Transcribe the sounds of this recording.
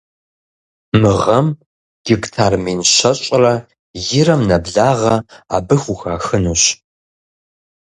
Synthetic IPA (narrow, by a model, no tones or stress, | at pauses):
mɨʁɐm | ɡ̥ɪktʰaːrmeːnɕɐɕʼrɐ | jɪrɐmnɐbɮaːʁɐa̰ːbɨxʷuxaːxɨnuːɕ